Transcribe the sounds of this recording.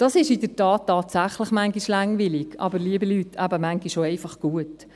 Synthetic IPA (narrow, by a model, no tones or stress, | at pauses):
d̥ɑsɪʃɪdəɾtɑːtːɑːtsæχləχmæŋɡiʃlɑŋʋɪlɪkʔɑ̰bəɾliəbilyːtʰæbəmæŋɡiʃoɛɪfɑχɡ̥uət